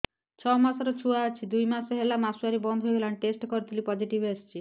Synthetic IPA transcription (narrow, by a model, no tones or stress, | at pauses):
t͡ʃʰɔmasɔɾɔt͡ʃʰuaːt͡ʃʰid̪ujmasɔɦelamasuaɾibɔnd̪ʱojbelanʈesʈkɔɾit̪ʰilipɔd͡ʒiʈibest͡ʃʰi